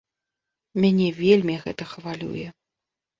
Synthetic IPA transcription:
mʲanʲɛvʲelʲmʲiɣɛt̪ɐxvalʲṵjɛ

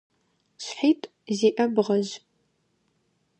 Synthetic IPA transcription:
ɕħiːtʼ | zeːʔɐbʁɐʑ

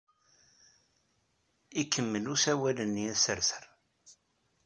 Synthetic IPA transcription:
ikːəmːəlusæwælənːiæsəɾθəɾ

